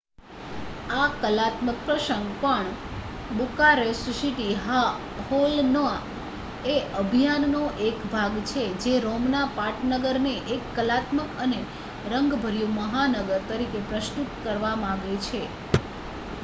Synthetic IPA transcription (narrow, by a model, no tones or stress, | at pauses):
akəlat̪mək̚pɾəʃəŋɡpəɳ | bukaɾesusiʈiɦa | holnəa | eəbʱijanːoʔekbʱaɡt͡ʃʰed͡ʒeɾomnapaʈnəɡəɾneʔekːəlat̪məkəne | ɾəŋɡbʱəɾjũməɦanəɡəɾt̪əɾikepɾəʃt̪ut̪kəɾʋamaɡet͡ʃʰe